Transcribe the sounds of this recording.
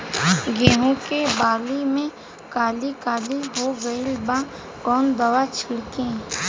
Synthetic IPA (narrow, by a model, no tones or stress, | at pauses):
ɡẽːɦõkebaːlimẽ | kaːlikaːliɦoɡəilbã | kɔːnd̪əwat͡ʃʰɪɽkẽː